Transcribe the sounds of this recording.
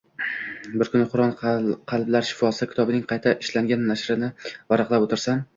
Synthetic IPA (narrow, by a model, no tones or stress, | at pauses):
bɪɾkʰʊnɪqʰʊɾɒnqʰɑlˠblaɾʃɪ̥fɒsɪkʲʰɪt̪ɒbɪnɪŋqʰɑjt̪ʰaʔɪʃlaŋɡʲanːaʃɾɪnɪvaɾɑqlapot̪ɪɾsam